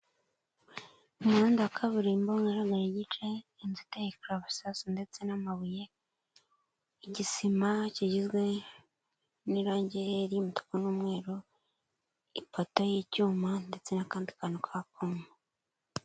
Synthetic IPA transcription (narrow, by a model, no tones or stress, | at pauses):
umuɾuːndakʰaβuɾiːmboŋɡaɾaɡaɾeɟit͡ʃeinzitejikɾaβsasnde̞t͡se̞namaβuje̞ | iɟisimaciɟizɡwe̞ | niɾaːɲɟeɾjumuto̥konuːmŋe̞ːɾo | ipotojicuːmande̞t͡se̞nakaːndikaːnokʰak̚uŋe